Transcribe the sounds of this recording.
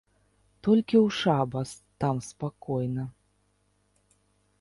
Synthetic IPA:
t̪ɔlʲkʲiwʂabɐs | t̪amspakɔjnɐ

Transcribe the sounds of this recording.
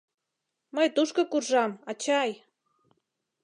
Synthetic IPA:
məjt̪uʃkokurʒɑmɑt͡ɕɑj

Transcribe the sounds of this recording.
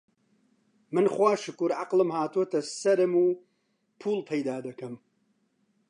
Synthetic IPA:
mɨnχwaːʃɨkuɾʕaqlˠɨmhaːt̪uwɐt̪ɐsɐɾɨmuː | pʰuːlpʰɐjd̪aːd̪ɐkɐm

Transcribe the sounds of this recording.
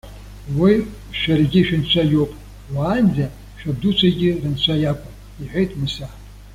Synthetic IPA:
wi | ʃᶣarɡʲɪʃᶣɪnt͡ɕʷʰajowpʼ | waːnd͡zʲa | ʃᶣab̚dut͡ʃʷʰaɡʲɪrɨnt͡ɕʷʰajakʷʼʊm | iħʷᶣejtʼʰmɨsaħ

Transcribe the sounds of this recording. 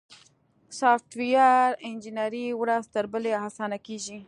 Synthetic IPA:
sɑfʈwijɑɾɪnd͡ʒinaɾiwɾazt̪əɾbəleɦasɑnakeʒi

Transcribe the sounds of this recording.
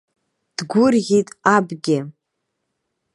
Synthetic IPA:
d̥ɡʷʊrʁʲitʼabɡʲɪ

